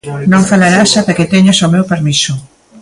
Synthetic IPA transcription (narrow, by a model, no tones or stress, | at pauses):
nõŋfalaɾasat̪aket̪eɲasomewpeɾmisʊ